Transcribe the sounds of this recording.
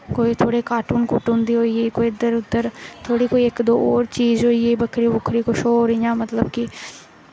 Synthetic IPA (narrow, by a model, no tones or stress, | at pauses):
koːit̪ʰoːɽeːkaːʈuːnkuːʈʊ̃nd̪iːɦoːiːeːkoːiɪd̪əɾʊd̪ːəɾt̪ʰoːɽiːkoːiɪkd̪oːoːɾt͡ʃiːzɦoːieːbəkʰːɾiːbʊkʰɾiːkoʃoːɾijãːmət̪ləbki